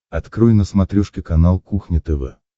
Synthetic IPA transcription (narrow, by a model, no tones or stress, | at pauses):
ɐt̪kɾɔjnəsmɐt̪ɾʲuʂkʲɪkɐnalˠkuxnʲɪt̪ɛvɛ̰